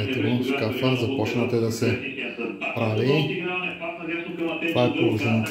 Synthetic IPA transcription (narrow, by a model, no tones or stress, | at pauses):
ɛt̪ɛɡonskafəzɐpɔt͡ʃnət̪ɛd̪ɐsɛspɾavi | t̪ovaɛpolˠoʒɛnit̪